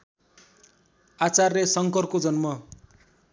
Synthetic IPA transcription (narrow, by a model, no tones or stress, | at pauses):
at͡sarːesʌŋkʌrkod͡zʌnmʌ